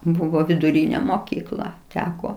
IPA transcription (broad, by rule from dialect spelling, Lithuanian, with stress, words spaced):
ˈbuːʋoː ʋʲɪdʊˈrʲiːnʲɛ moːˈkʲiːklˠɐ ˈtʲæːkoː